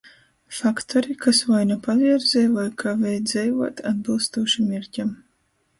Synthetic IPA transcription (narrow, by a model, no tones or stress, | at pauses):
fakt̪ʰɔɾikasvajnapavʲiɛɾzɛjvajkʰavɛjd̪zɛjvuɔt̪ad̪̚bɨlˠst̪uɔʃimʲiɾcam